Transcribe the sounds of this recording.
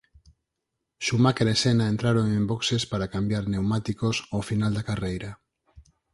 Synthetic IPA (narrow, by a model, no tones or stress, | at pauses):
ʃumakeɾesenaent̪ɾaɾoŋẽmboksespaɾakambjaɾnewmat̪ikosofinald̪akarejɾa